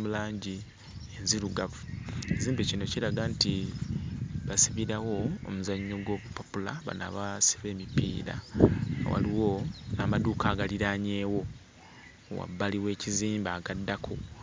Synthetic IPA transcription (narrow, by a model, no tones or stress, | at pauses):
mulaːɲɟi | e̞nziɾuɡavueziːmbecino̞ciɾaɡanti | βasiβiɾawo̞̰ːmuzaɲːo̞ɡo̞ːβupopulaβa̰na̰βasi̥βe̞ːmipḭːɾa̰wa̰liwo̞naːmaduːkaːɡaliɾaɲe̞ːwo̞ | wa̰bːaliwe̞ːciziːmbaːɡadːakʰo